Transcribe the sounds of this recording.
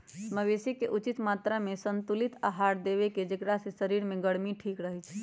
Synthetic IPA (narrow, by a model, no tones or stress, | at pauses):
məbesikeʔut͡ʃit̪mat̪ɾamesənt̪ulit̪aɦaɾd̪eβeked͡ʒekɾasesəɾiɾmeɡəɽmiʈʰikɾəɦɛt͡ʃʰ